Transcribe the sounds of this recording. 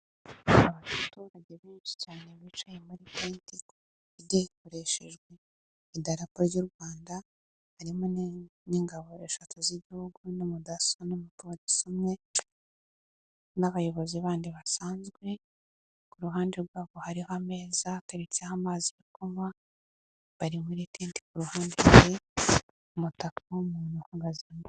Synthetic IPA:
aβatuɾaɟe̞βiːnt͡ʃi̥caːne̞βiːt͡ʃaje̞muɾipeːntikː | ɟaiko̞ɾe̞ʃe̞ʒɡwe̞ | idaɾapoɾɟuɾɡwaːnda | haɾimoniːŋɡaβo̞eʃatʰoziβɟihuɡunimudasonomutoɾisomɲe̞ | naβajo̞βo̞ziβaːndiβasaːnzɡwe̞ | kuɾuɦaːndeɾɡwaːɡohaɾihame̞ːzataɾecahamaːziβikoma | βaɾimuɾetiːnti̥kuɾuhaːndei | mutakʰawumuːnuhuɡazamo

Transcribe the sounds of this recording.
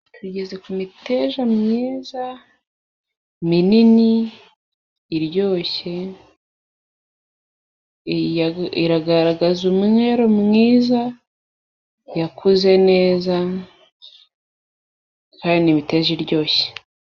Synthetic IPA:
tʰuɟe̞ze̞kumite̞ːʒamŋiːza | minini | ɾɟo̞ːçe̞ | iɾaɡaɾaɡazumŋe̞ɾomŋiːza | jakʰuze̞ne̞ːza | kaːndimite̞ːʒiɾɟo̞ːçe̥

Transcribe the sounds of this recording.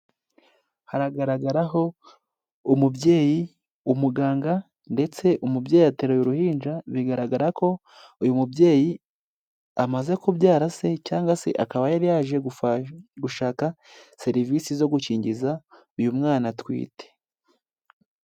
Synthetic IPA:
haɾaɡaɾaɡaɾaɦo̞ | umubje̞ːji | umuɡaːŋɡa | nde̞t͡se̞ʔumubjeːjiateɾojoɾuhiːnd͡ʒaβiɡaɾaɡaɾako̞ | ujumubje̞ːji | amaze̞kubjaːɾase̞caːŋɡwase̞̰ʔa̰kaβajaɾijaːʒe̞ | ɡuʃaːka | se̞ɾivisizo̞ɡuciːɲɟiza | ujumŋaːnatwḭːte̥

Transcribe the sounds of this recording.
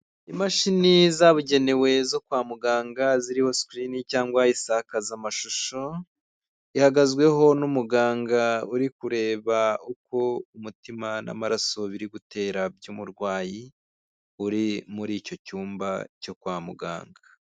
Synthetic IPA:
imaʃinizaβuɟe̞ne̞we̞zo̞kwaːmuɡaːŋɡaziɾiho̞skɾinicaːŋɡwaisakazamaʃuʃo̞ | ihaɡazwe̞ɦo̞numuɡaːŋɡauɾikuɾe̞ːβauko̞umutimana̰maɾaso̞βiɾiɡute̞ːɾabjuːmuɾɡwaːji | uɾimuɾiːco̞cuːmbaco̞kwaːmṵɡa̰ːŋɡa

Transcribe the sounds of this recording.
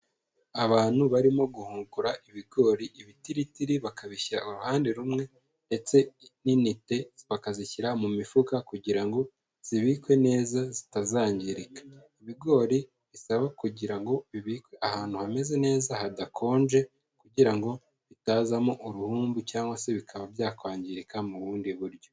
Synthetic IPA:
aβaːn̥huβaɾimo̞ɡuhuːŋɡuɾaʔiβiɡo̞ːɾiʔiβitiɾitiɾiβakaβiçiɾa̰uɾuhaːnde̞ɾumŋe̞ | nde̞t͡se̞ninite̞βakaziçiɾamumifukakuɟiɾaŋɡo̞ | z̥iβiːkwe̞ne̞ːzazi̥tazaːɲɟiɾikḁiβiɡo̞ːɾi | βisaβakuɟiɾaŋɡo̞βiβiːkwe̞ahaːn̥huhame̞ze̞ne̞ːzahadakʰo̞ːnʒe̞ | kuɟiɾaŋɡo̞ | βitaːzamoʔuɾuhuːmbucaːŋɡwase̞βikʰaβaβjaːkwaːɲɟiɾikamuβuːndiβuɾɟo̞

